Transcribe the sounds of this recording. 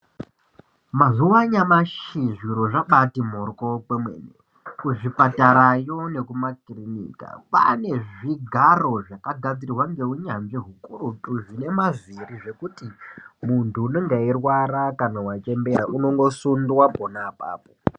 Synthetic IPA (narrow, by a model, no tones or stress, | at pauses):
mazuwaɲamaʃiʐiɾo̞ʐaɓatim̤orkokemwḛːnḛ | kuʐipataɾajo̞ne̞kumakrinḭːka̰pa̰ne̞ʐiɡʱaro̞ʐakaɡʱad͡zirirwaŋɡe̞uɲanʐiɦukurutuʐine̞maziriʐe̞kutimuntuːno̞ŋɡairwaɾakanawat͡ʃe̞mberaʔuno̞ŋɡo̞sundwaponapa̰ːpo